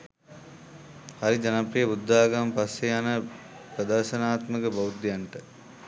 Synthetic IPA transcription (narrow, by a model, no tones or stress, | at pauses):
hɐɾid͡ʒɐnɐpɾijɐud̪ːaːɡɐmpɐsɐjaːnɐ | pɾɐd̪ɐɾʃɐnaːt̪mɐkɐbɐwd̪jɐɳʈɐ